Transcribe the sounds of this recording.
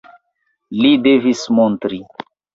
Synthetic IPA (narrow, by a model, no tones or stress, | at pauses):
lidevismontɾi